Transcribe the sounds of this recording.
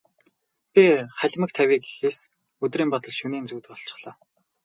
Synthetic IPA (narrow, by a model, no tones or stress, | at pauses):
pʲiχæɮʲmə̆k̚t̪ʰæwʲiːki̥xeːs | ɵt̪riːmpɔt̪ɞ̆ɮʃuniːnt͡suːt̪pɔɬt͡ɕɪ̥̆χɮ̥ɔː